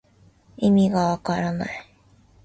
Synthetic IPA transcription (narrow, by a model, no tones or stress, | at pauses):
imiɡawakaɾana̰i